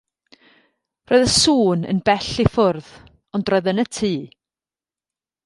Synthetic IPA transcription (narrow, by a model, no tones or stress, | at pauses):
roːɨðəsuːnə̰nbɛɬifʊrð | ɔndrɔɨðənətʰiː